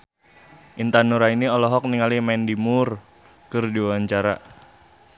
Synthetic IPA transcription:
ʔint̪anuɾainiɔlɔɦɔk̚niŋalimɛndimur | kɨrdiwawaɲt͡ʃaɾa̰

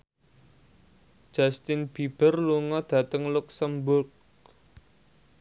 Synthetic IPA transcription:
d̥d͡ʒ̥ast̪ɪnb̥ib̥ərluŋɔd̪̥ä̤t̪əŋlʊksəmbʊrk̚

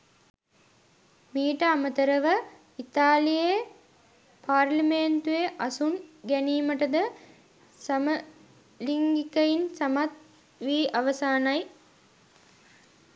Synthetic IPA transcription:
miːʈəamət̪əɾəʋə | it̪aːlije | paːɾlimeːnt̪ueʔasunɡæniːməʈəd̪ə | samə | liŋɡikəinsamat̪̚ | ʋiːʔaʋəsaːnaj

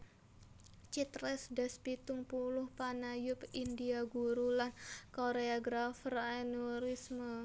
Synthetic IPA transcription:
t͡ʃit̪ɾɛsdaspit̪ʊŋpulʊhpanajʊpindiaɡuɾulankoɾeaɡɾafraɛnuɾismə

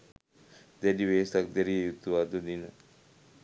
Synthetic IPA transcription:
d̪ɛdiʋeːsak̚d̪ɛɾijejut̪ːuʋad̪əd̪inə

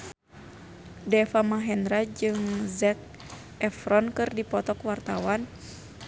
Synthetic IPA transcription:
dɛfamaɦɛnɾad͡ʒɨŋzɛk̚ | ɛfɾɔnkɨrdipɔt̪ɔkwart̪awan

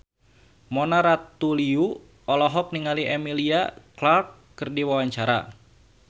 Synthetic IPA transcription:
mɔnaɾat̪uliu | ɔlɔɦɔk̚niŋaliʔɛmiliaklarkːɨrdiwawaɲt͡ʃaɾa̰

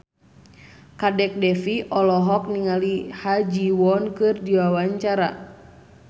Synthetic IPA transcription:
kadɛk̚dɛfiʔɔlɔɦɔk̚niŋalihad͡ʒiwɔnkɨrdiwawaɲt͡ʃaɾa

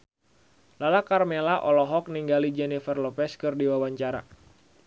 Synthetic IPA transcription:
lalakarmelaʔɔlɔɦɔk̚niŋɡalid͡ʒɛnifərlɔpɛskɨrdiwawaɲt͡ʃaɾa̰

